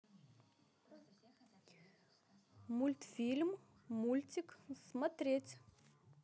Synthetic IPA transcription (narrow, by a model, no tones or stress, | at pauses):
mulʲt̪filʲmː | ulʲt̪ʲiksmɐt̪ɾʲetʲ